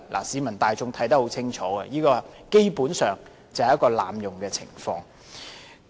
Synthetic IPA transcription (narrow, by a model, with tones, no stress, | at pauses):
lʔa̰ː˨˩siː˨˧mɐ˨˩nt̪aː˨jt͡sʊ˧ŋt̪ʰɐ˨˥jt̪ɐ˥k̚ho˨˥wt͡sʰɪ˥ŋt͡ʃʰɔː˨˥ɡɐ̰˧jiː˥kɔː˧ke˥jpuː˨˥nsœː˨˩ŋ | t͡sɐ˨whɐ˨jɐ˥kːɔː˧la̰ː˨mjʊ˨ŋkɛː˧t͡sʰɪ̰˨˩ŋfɔ̰ː˧ŋ